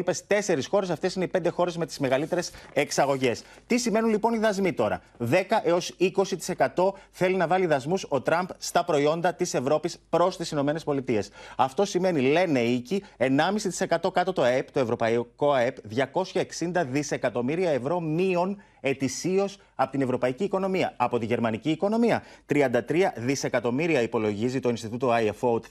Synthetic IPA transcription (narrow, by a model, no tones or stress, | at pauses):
pest̪e̞se̞ɾisxo̞ɾe̞sɐft̪e̞sineipe̞nd̪e̞xo̞ɾe̞zme̞t̪i̥zme̞ɣɐlit̪e̞ɾe̞se̞ksɐɣo̞ʝe̞st̪isime̞nunlipo̞niðɐzmit̪o̞ɾɐ̰ | ðe̞kɐʔe̞o̞siko̞sit̪i̥se̞kɐt̪o̞θe̞linɐvɐliðɐzmuso̞t̪ɾɐmpst̪ɐpɾo̞io̞nd̪ɐt̪ise̞vɾo̞pispɾo̞st̪isino̞me̞ne̞spo̞lit̪ie̞sɐft̪o̞sime̞nile̞ne̞icie̞nɐmisit̪i̥se̞kɐt̪o̞kɐt̪ot̪o̞ept̪o̞e̞vɾo̞pɐiko̞epðʝɐko̞sçɐeksind̪ɐðise̞kɐt̪o̞miɾiɐe̞vɾo̞mio̞n | e̞t̪isio̞s | ɐpot̪ine̞vɾo̞pɐiciːko̞no̞miɐɐpo̞t̪iʝe̞ɾmɐniciːko̞no̞miɐt̪ɾiɐnd̪ɐt̪ɾiɐðise̞kɐt̪o̞miɾiɐipo̞lo̞ʝizit̪o̞inst̪it̪ut̪oajefowt̪